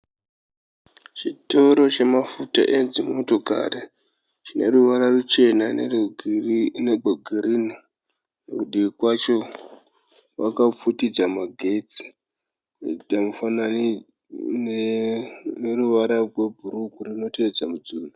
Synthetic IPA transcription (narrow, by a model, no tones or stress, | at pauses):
t͡ʃitoɾo̞t͡ʃe̞mafuta̰ʔenzimo̞to̞ka̰re | t͡ʃine̞̰ruʋaɾarut͡ʃe̞na | nebʱoɡʱirini | nekuɗiʋikwat͡ʃo̞ | wakap͡futid͡zamaɡʱe̞t͡si̥ | damufana | neruʋaɾarwe̞bʱuɾukurino̞te̞ed͡zamud͡zuːna